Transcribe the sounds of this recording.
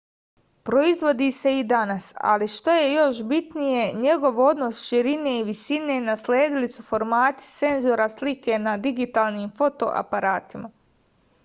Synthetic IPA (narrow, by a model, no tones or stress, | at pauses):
pɾo̞izʋo̞d̪iːse̞id̪anasa̰liʃt̪o̞je̞jo̞ʃbit̪nije̞ɲe̞ɡo̞ʋo̞d̪no̞sʃiɾineiʋisine̞naslʲeːd̪ilisufo̞ɾmaːt̪i̥t̪e̞nzoɾaslike̞nad̪iɡit̪aːlˠniːmfo̞t̪o̞̰ʔa̰paɾaːt̪ima